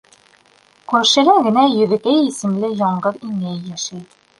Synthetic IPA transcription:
kʉɾʃɘ̆læɡɘ̆næjɵ̆ðɘ̆kæjisɘ̆mlɘjɒɴɢɤðiŋæjːæʃæj

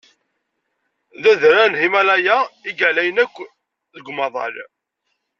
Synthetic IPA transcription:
ðæðɾænhimælæjæiɡælæjənækʷː | ðəɡʷmɑðˤɑ̰l

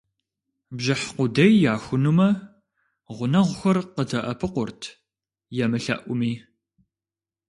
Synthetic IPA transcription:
bʑɪħqʷʊdɐjːaːxʷʊnumɐ | ʁʷʊnɐʁʷʊxɐrqətʰɐʔɐpʰɨqʷʊrtʰ | jɛmɨɬɐ̰ʔʷʊmiː

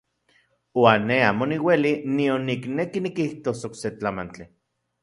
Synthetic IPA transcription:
waːnːeaːmoniwelinionːiknekinikiht̪osokset͡ɬamant͡ɬi

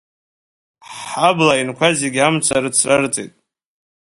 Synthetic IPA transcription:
ħablajinkʷʰazeɡʲamt͡sʷʰaɾɨt͡sʰrart͡sʼḛtʼ

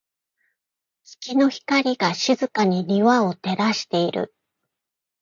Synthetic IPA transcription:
kʲi̥kʲino̞çi̥kaɾʲiɡaɕizɨkaɲ̟iɾʲiβao̞t̪e̞ɾaɕi̥t̪e̞iɾɯ̟̰

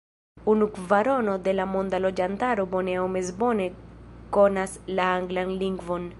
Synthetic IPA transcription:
unukvaɾonod̪elamond̪alod͡ʒant̪aɾoboneomezbonekonaslaaŋɡlanliŋɡvon

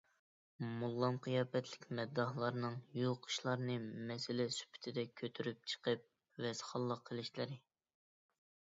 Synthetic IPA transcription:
mulˠːɑmqʰəjɑːpɛt̪ʰlɪkʲmɛd̪ːɑhlˠɑɾnɨŋjulˠqʰʊ̥ʃlˠɑɾnɨmɛsɪlɪsy̥pʰɪ̥t̪ʰɪd̪ɛkʲʰøt̪ʰyɾyp̚t͡ʃʰə̥qəp̚ | vɛsχɑlˠːəqʰːəlˠɪʃlɪɾɪ

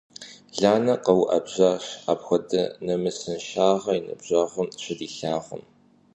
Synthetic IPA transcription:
ɮaːnɐqɐwʔɐbʑaːɕa̰ːbxʷɔdɐnɐmɨsɐnʃaːʁɐinɐ̰bʑɐːʁʷʊmɕɪdiːɬaːʁʷʊ̰m

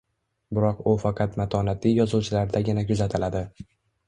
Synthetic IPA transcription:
bɪɾɒqʊfɑqʰɑt̪mat̪ʰɒnat̪ʰijɒzuwt͡ʃʰɪlaɾd̪aɡʲɪnakʰʊzat̪ʰɪlad̪ɪ

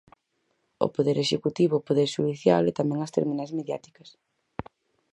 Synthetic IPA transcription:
o̰poðeɾeʃekut̪iβʊpoðeɾʃuðiθja̰lɛt̪amɛ̃ŋɐst̪ḛɾminazmeðja̰t̪i̥kɐs

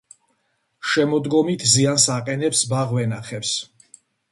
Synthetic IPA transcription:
ʃɛmɔd̪ɡɔmit̪ʰziansaqʼɛnɛpsbaʁvɛnaχɛps

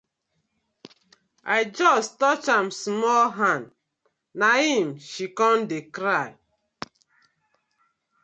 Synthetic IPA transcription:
aɪd͡ʒɔstɔt͡ʃãmsmɔlɦãn | nahĩmʃikɔ̃ndekɾaj

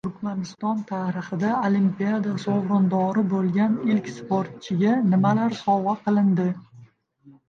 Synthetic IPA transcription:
t̪ʰʊɾkʲmanɪst̪ɒnt̪ʰaɾɨχɨd̪aolimpijad̪asowɾɒnd̪ɒɾɪbolˠɡʲanɪlkʲspoɾt̪̚t͡ʃʰɪɡʲanɪmalaɾsɒvaqɨlˠɪnd̪ɪ

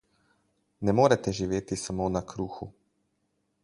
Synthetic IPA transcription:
nɛmoːɾɛt̪ɛʒiʋeːt̪isamoːnakʰɾuːxu

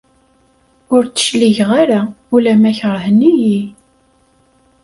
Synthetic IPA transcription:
ʊɾt͡sːə̥ʃliʝʁaɾaulæmæçəɾˤhəniji

